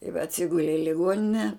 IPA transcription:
ɪ ʋʲɛ ɐtʲˈsʲɪɡʊlʲɛ ɪ lʲɪˈɡuɔnʲɪnʲɛ

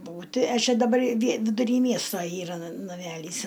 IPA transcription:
ˈbuːtʲɪ ɐ ˈt͡ʃʲɛ dɐˈbɐr ʋʲiɛ ʋʲɪdʊˈrʲiː ˈmʲiɛstoː ˈiːrɐ nɐ nɐˈmʲælʲiːs

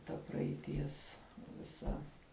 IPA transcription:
tɐ prɐɛɪˈtʲiɛs ʋʲɪˈsɐ

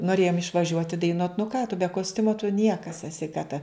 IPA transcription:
noːˈrʲeːjoːm ɪʃʋɐˈʒʲuɔtʲɪ dɐɪˈnuɔt nʊ kɑː tʊ bʲɛ koːsʲˈtʲʊmoː tʊ ˈnʲiɛkɐs ɛˈsʲɪ kɐ tɐ

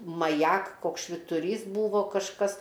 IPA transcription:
mɐˈjɛk ˈkoːks ʃʲʋʲɪtʊˈrʲiːs ˈbuːʋoː kɐʃˈkɐs

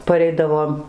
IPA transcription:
pɐˈrʲɛɪdɐʋoːm

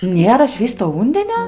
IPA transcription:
ˈnʲeːrɐ ˈʃʲʋʲiːstoː ˈuːnʲdʲɛnʲoː

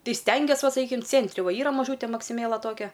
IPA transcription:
ˈtɐɪ ˈsʲtʲɛŋʲɡʲiɛs ˈʋɐ sɐˈkʲiːkʲɪm ˈt͡sʲeːnʲtʲrʲɪ ˈʋɐ ˈiːrɐ mɐˈʒuːtʲɛ mɐksʲɪˈmʲeːlˠɐ ˈtoːkʲɛ

